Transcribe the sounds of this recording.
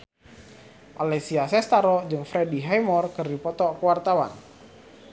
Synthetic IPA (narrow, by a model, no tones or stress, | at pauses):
ʔalesiasɛst̪aɾɔd͡ʒɨŋfɾɛdiɦajmɔrkərdipɔt̪ɔkwart̪awa̰n